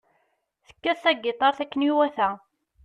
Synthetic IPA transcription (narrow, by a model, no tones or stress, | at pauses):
θə̥kːæθːæɡɪt̪ˤɑɾθækːəniwæθæ